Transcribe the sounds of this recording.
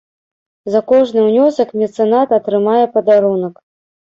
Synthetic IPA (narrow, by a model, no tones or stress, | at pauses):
zɐkɔʐnɨwnʲɔsɐkmʲɛt̪sɨnat̪ɐt̪ɾɨmajɛpɐd̪aɾunɐk